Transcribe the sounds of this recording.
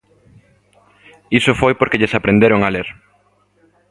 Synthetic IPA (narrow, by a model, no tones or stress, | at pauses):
isofojpoɾkeʎesapɾẽnd̪eɾoŋaleɾ